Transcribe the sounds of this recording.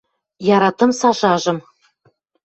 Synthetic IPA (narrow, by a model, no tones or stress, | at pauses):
jɑɾɑt̪ɤ̆msɑʒɑʒɤ̆m